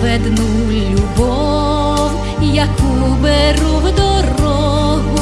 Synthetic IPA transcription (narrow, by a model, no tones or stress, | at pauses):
vɛd̪nu | lʲubɔ | w | jakubɛɾuwd̪ɔrɔ | ɣu